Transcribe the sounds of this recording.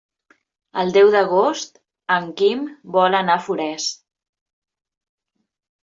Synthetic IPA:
əlˠd̪ɛwðəɣ̞ost̪ | əŋkimbɔlənafuɾɛs

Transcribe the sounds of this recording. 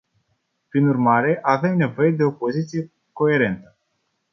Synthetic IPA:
pɾinurmaɾe̞ʔave̞mne̞vo̞je̞d̪e̞o̞po̞zit̪sije̞ | ko̞e̞ɾe̞nt̪ə

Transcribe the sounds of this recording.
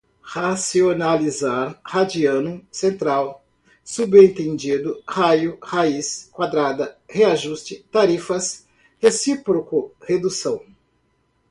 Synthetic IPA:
hasionalizaɾhad͡ʒiɐ̃nʊsẽnt̪ɾaw | subẽnt̪ẽnd͡ʒid̪ʊhajʊhaiskwad̪ɾad̪ɐheaʒust͡ʃɪt̪aɾifɐs | hesipɾokʊhed̪usɐ̃w̃

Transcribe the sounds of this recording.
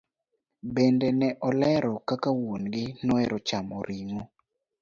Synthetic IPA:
bendenɛʔɔlɛɾɔkakawonɡɪnɔɛɾɔt͡ʃamoɾʔiŋo

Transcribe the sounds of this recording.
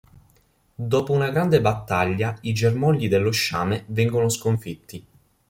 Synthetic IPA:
d̪ɔːpounaɡɾand̪ebat̪ːaʎːaid͡ʒermɔʎːid̪elːoʃːaːmevɛŋɡonoskoɱfit̪ʰːi

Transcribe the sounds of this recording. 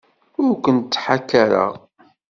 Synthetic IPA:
ʊɾkʷənt̪ːħakːaɾə̰ʁ

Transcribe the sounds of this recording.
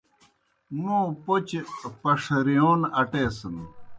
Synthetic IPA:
mũːpot͡ɕepɐʂɾijoːnɐʈeːsən

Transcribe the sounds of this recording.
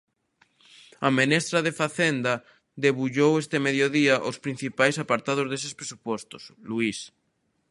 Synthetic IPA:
amenest̪ɾað̞efaθend̪a | d̪eβuʎowest̪emeðjoðiaʔospɾĩn̟θipajsapaɾt̪að̞ozðesespɾesupost̪osluis

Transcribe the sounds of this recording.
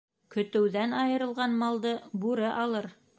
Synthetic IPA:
kɵ̆t̪ɘ̆wðænɑjɤ̆ɾɤ̆lˠʁɑnmɑlˠd̪ɤbuɾɘʔɑlˠɤɾ

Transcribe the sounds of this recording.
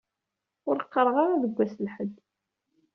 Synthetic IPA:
ʊɾqːəɾˤʁɑʁaðəɡʷːæslħəd̪ː

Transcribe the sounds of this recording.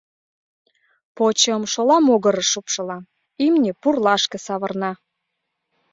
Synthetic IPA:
pot͡ɕəmʃolɑmoɣəɾə̆ʃupʃɤlɑ | imnʲepurlɑʃkĕsɑβə̆rnɑ

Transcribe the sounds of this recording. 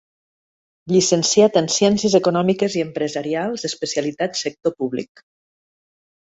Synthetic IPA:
ʎisənsiat̪ənsjɛnsiəzəkunɔmikəziəmpɾəzaɾialˠzəspəsialit̪at̪sək̚t̪opuβlḭk

